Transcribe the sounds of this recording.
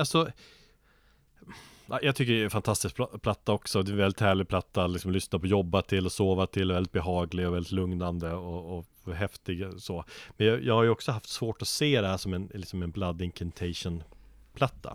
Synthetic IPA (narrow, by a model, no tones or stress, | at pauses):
alsɔ | ajɑːɡt̪ʏkːəɖɛɛfant̪ʰast̪ɪskpʰlat̪ːaɔksɔd̪ɛnvɛlːɪt̪hæːɭɪɡ̚pʰlat̪ːalɪksɔmlʏsnapʰɔjɔbːat̪ʰɪlːɔsoːvat̪ʰɪlːvɛld̪ɪt̪̚bɛɦɑːɡlɪɡɔvɛlːɪt̪lɵŋnand̪əɔː | ɦɛft̪ɪɡsoːmɛnjɑːjɑːɡhaɾjɵɔksɔɦaft̪svoːʈɔseːd̪ɛhæːʂɔmɛnlɪksɔmɛnblad̪ːɪŋkʰɛnt̪ʰɛɪʂʊnpʰlat̪ʰːa̰